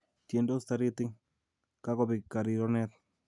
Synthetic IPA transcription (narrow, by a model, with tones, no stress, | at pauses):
tje˨ndo˦st̪a˦ɾɪ˦t̪ɪ˦ŋ | ka˦kɔ˦pɪ˨ka˨ɾi˨ɾɔ˦nɛ˦t̪̚